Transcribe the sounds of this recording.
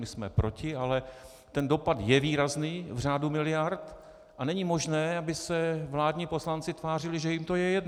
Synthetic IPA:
mɪsmɛ̰pɾo̞cɪalɛ | t̪ɛndo̞pad̪jɛviːɾazniːvr̝aːdumɪlɪjaɾt̪ | ʔanɛɲimo̞ʒnɛːabɪsɛvlaːdɲiːpo̞slant͡sɪt̪vaːr̝ɪlɪʒɛjɪmt̪o̞jɛjɛdn

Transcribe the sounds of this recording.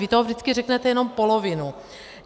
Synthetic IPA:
vɪt̪oɦovdɪt͡skɪrɛknɛt̪ɛjɛno̞mpolovɪnu

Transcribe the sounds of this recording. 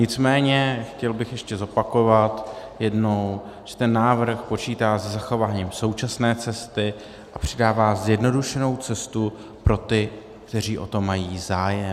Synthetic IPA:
ɲɪt͡smɛːɲɛxcɛlbɪxjɛʃcɛzo̞pako̞vat̪jɛdno̞w | ʒ̥ɛt̪ɛnːaːvɾ̩xpo̞t͡ʃiːt̪aːsɛzaxo̞vaːɲiːmso̞wt͡ʃasnɛːt͡sɛst̪ɪ | ʔapr̝̥ɪdaːvaːzjɛdno̞duʃɛno̞wt͡sɛst̪u | pɾo̞t̪ɪ | kt̪ɛr̝iːʔo̞̰t̪o̞mːajiːzaːjɛ

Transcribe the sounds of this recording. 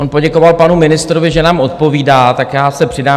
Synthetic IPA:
o̞npo̞ɟɛko̞valpanumɪnɪst̪ɾo̞vɪʒɛnaːmʔo̞t̪̚po̞viːdaːt̪akjaːsɛpr̥ɪdaː

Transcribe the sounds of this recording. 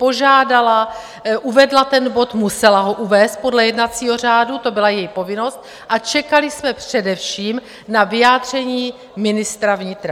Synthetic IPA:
po̞ʒaːdala | ʔuvɛdlat̪ɛnbo̞t̪musɛlaɦo̞ʔuvɛːst̪̚po̞dlɛjɛdnat͡siːɦo̞r̝aːdut̪o̞bɪlajɛjpovɪno̞st̪̚ | ʔat͡ʃɛkalɪsmɛpr̥ɛdɛfʃiːm | navɪjaːd̪r̝ɛɲiː | mɪnɪst̪ɾavɲɪt̪ɾa

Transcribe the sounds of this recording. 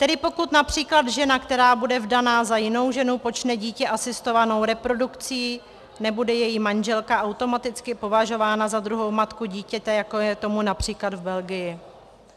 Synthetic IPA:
t̪ɛdɪpo̞kut̪napr̝̥iːklad̪ʒɛnakt̪ɛɾaːbudɛvdanaːzajɪno̞wʒɛnupo̞t͡ʃnɛɟiːcɛʔasɪst̪o̞vano̞wɾɛpɾo̞dukt͡siː | nɛbudɛjɛjimanʒɛlkaʔawt̪o̞mat̪ɪt͡skɪpo̞vaʒo̞vaːnazad̪ɾuɦo̞wmat̪kuɟiːcɛt̪ɛjakojɛt̪o̞munapr̥iːklad̪vbɛlɡɪjɪ

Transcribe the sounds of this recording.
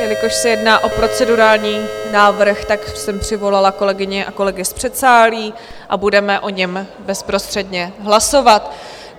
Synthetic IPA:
ɛlɪkoʃsɛjɛdnaːʔo̞pɾo̞t͡sɛduɾaːlɲiːnaːvr̩xt̪aksɛmpr̝̥ɪvo̞lalako̞lɛɡɪɲɛʔako̞lɛɡɪspr̝̥ɛt̪saːliːʔabudɛmɛʔo̞ɲɛmbɛspɾo̞st̪r̥ɛdɲɛɦlaso̞vat̪

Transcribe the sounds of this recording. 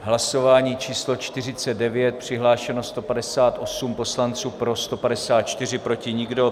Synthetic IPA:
ɦlaso̞vaːɲiːt͡ʃiːslo̞t͡ʃt̪ɪr̝ɪt͡sɛd̪̚dɛvjɛt̪̚pr̝̥ɪɦlaːʃɛnost̪o̞padɛsaːt̪ʔo̞sumpo̞slant͡suːpɾo̞st̪opadɛsaːt̪̚t͡ʃt̪ɪr̝ɪpɾo̞cɪɲɪɡdo̞

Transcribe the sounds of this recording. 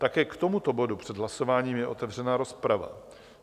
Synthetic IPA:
t̪akɛːkt̪o̞mut̪o̞bo̞dupr̥ɛd̪ɦlaso̞vaːɲiːmjɛʔo̞t̪ɛvr̝ɛnaːɾo̞spɾava̰

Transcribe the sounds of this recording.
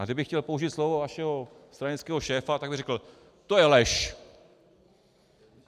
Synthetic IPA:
ɡdɪbɪxcɛlpo̞uʒɪt̪slovovaʃɛɦost̪ɾaɲɪt͡skɛːɦo̞ʃɛːfat̪aɡbɪrɛkl̩ | t̪ojɛlɛʃ

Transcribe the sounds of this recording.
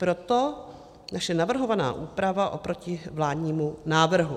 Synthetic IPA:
pɾot̪o | naʃɛnavr̩ɦo̞vana̰ːʔuːpɾavaʔo̞pɾocɪvlaːdɲiːmunaːvr̩ɦu

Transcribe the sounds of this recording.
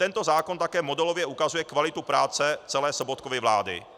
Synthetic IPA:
t̪ɛnt̪ɔzaːkɔnt̪akɛːmɔd̪ɛlɔvjɛukazujɛkvalɪt̪upɾaːt͡sɛt͡sɛlɛːsɔbɔt̪̚kɔvɛvlaːd̪ɪ̰

